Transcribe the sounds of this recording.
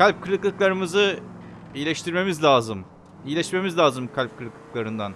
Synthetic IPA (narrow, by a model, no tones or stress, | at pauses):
kʰalʲp̚kʰɯlʲɯklˠɯklˠaɾɯmɯzɯ | ijlʲɛʃt̪ʰiɾme̞mizʲlʲaːzɯm | ijlʲɛʃme̞mizlʲaːzɯmkʰalʲp̚kʰɯlʲɯklˠɯklˠaɾɯnd̪an